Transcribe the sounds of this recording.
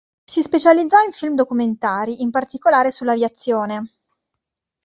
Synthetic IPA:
sispet͡ʃalid̪zːɔiɱfilmd̪okument̪aːɾiʔimpart̪ikolaːɾesulːavjat̪sːjoːne

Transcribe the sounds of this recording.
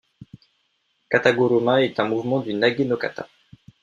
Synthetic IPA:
kat̪aɡoɾomãɛt̪ɛ̃muvmɑ̃d̪ynaɡinoka̰t̪ʰa̰

